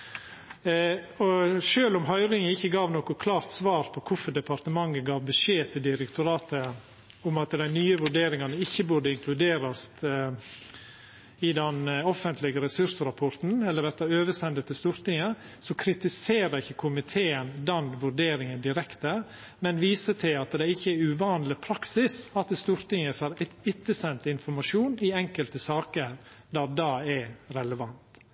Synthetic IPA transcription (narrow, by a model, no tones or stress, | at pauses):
ɔʂøːlʊmɦœʏɾɪŋəɪçːəɡɑːʋnoːkɔkʰlɑːɾt̪sʋɑːɾpʰɔkʰʊfɔɖ̪ɛpʰɑɾt̪əmɑŋːəɡɑːʋbəʂeːt̪ʰɪld̪ɪɾɛkt̪ʊɾɑːt̪ə | ʊmɑt̪d̪æɪnyːəʋʉɖeːɾɪŋɑnəɪçːəbʉɖəɪŋkʰlʉd̪eːɾɑst̪ | ɪd̪ɛnɔfənt̪ʰlɪɡəɾɛsʉɾsɾɑpʰɔɾt̪n̩ɛlːəɾʋɛɾt̪ɑøːʋəsɛnd̪ət̪ːɪst̪uːɾt̪ɪŋə | sɔkʰɾɪt̪ɪseːɾəɪçːəkʰʊmɪt̪ʰeːənd̪ɛnʋʉɾɖeːɾɪŋənd̪ɪɾɛkt̪ə | mɛnʋiːsət̪ʰɪlɑt̪d̪ɛɪçːəɛʉʋɑːnlɪpʰɾɑksɪsɑt̪st̪uːɾt̪ɪŋəfɑɾɪt̪ːəsɛnt̪ɪnfɔɾmɑʂuːnɪɛŋkəlt̪əsɑːkəɾd̪ɑːd̪ɑːɛɾɛləʋɑnt̪